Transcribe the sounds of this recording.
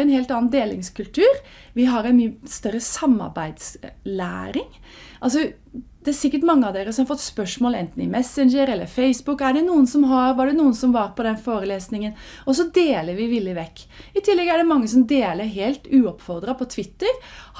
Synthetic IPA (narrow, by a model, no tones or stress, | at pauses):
ɛnɦeːlt̪ɑːnd̪eːlɪ̰ŋskʉlt̪ʰʉːɾ | ʋɪɦɑɾɛnmyst̪œɾːəsɑmːɑ̰ɾbæɪd̪slæ̰ːɾɪŋ | ʔɑls̬ɔ | d̪̥ɛæɾsɪkːəʈmɑŋːəɑʋd̪eːɾəsɔmɑɾfɔt̪ːspœʂmoːlɛ̰nt̪n̩ɪmɛsənd͡ʒəɾɛlːə̰ɾfeɪsbʊkːæɖɛnuːənsɔmɦɑɾʋɑɖɛnuːənsɔmʋɑɾpʰɔd̪ɛnfoːɾəleːsnɪŋənɔsɔd̪eːləɾʋɪʋɪlːəʋɛkː | ɪt̪ʰɪlːɛɡæɖɛmɑŋːəsɔmd̪eːləɾɦeːlt̪ʉːɔpfɔɾd̪ɾɑpʰɔt̪ʰʋɪt̪ːəɾ